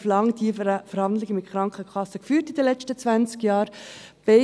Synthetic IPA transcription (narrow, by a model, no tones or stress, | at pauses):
flɑŋdifəɾhɑndlɪɡəmɪt̚χɾɑŋkχəkχɑsəkfyːɾtidəlɛt͡ʃtət͡svænt͡skjɑːɾ | b̥e